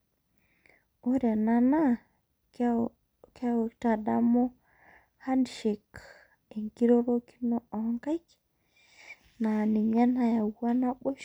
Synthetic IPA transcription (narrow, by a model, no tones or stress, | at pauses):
ʔɔɾɛnana | kawtadamɔ | handiʃɛk | ɛŋkiɾɔɾoki̥nɔɔŋkajk | naniɲanajawanaɓɔ